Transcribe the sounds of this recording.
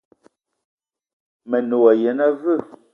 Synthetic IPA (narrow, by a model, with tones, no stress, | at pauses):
mɛ˨no˨wa˨jɛ˨˦na˦və˦˨